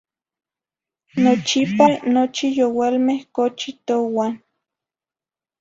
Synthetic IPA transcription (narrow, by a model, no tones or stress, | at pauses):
not͡ʃipanot͡ʃijowalmehkot͡ʃit̪owan